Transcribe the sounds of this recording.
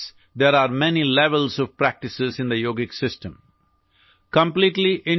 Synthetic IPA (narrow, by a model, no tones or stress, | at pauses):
d̪eːɾaːɾmɛnilɛʋəlsɔʋpɾæk̚ʈɪsɪzɪ̃nd̪əjoːɡɪksɪsʈə̃m | kə̃mpliːʈliʔɪ̃